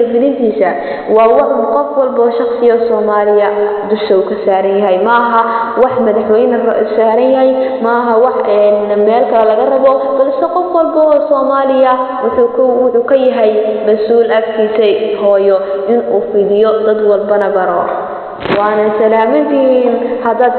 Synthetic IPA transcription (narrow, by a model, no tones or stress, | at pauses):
fɪlɪnt̪ʰiːsɐ | wɑːwɑħʊqɔfwɐlbɔːʃɑχsɪjɔːsɔːmaːlɪjɐd̪ʊʃɐʊkʰɐsaːɾɐnjɐɦɛjmɐɐɦɐwɑħmɐðɑħwɛjnsaːɾɐnjɐɦɛjmɐɐɦɐwɑħɛnmɛːlkʰɐlɛlɐɣɐrɐβɔb̥ɐlsɛqɔfwɑlbɔɔːsɔːmaːlɪjɐ | wʊħuːwʊħuːkʰɐjɐɦɛjmɐsuːlɐft̪ʰiːsɛɦɔːjɔ | ɪnuːfiðɪjɔd̪ɐd̪wɑlbɐnɐbɐɾɔ | wɑːnɐsɐlaːmɪnt̪ʰinhɐd̪aːd̪